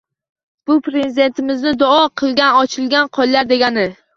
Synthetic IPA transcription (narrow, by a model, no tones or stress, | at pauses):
b̥ʊpɾe̞zid̪e̞nt̪ʰɪmɪznɪd̪ʊɒqʰɨlˠɡʲanɒt͡ʃʰɪlˠɡʲanqʰɒjlaɾd̪e̞ɡʲanɪ